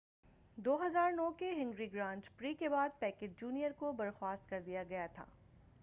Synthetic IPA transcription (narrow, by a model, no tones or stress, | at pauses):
d̪oːɦɐzaːɾnɔːkeɦɪ̃ŋɡɾiɡɾãːɳʈpɾiːkebaːd̪̚pɛːkeʈ̚d͡ʒuːnijəɾkobɐɾxwaːst̪̚kɐɾd̪ijaɡɐjat̪ʰa̰ː